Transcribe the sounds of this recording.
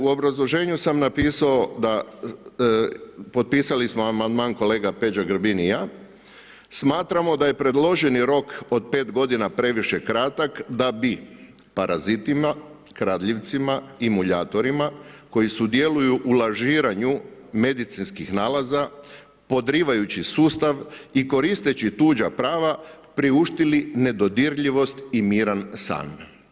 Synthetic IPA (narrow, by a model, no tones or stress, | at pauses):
uo̞bɾazlˠo̞ʒe̞ːɲusamnapiːsao̞d̪a | po̞t̪̚piːsalismoamand̪maːnko̞le̞ːɡape̞d͡ʒaɡɾbinija | smaːt̪ɾamo̞d̪aje̞pɾe̞d̪lˠo̞ʒeniɾo̞ko̞d̪̚pe̞ːt̪ɡo̞d̪inapɾe̞ʋiʃe̞kɾat̪akd̪abi | paɾʔazit̪ima | kɾaːd̪ʎiʋt̪simaimuʎaːt̪o̞ɾimako̞jisud̪je̞lujuʔːlaʒiːɾaɲume̞d̪it̪sinskixnaːlaza | po̞d̪ɾiːʋajut͡ɕisuːst̪aʋiko̞ɾist̪e̞t͡ɕit̪uːd͡ʒapɾaːʋa | pɾiuʃt̪iline̞d̪o̞d̪iɾʎiʋo̞st̪imiːɾansa̰ːn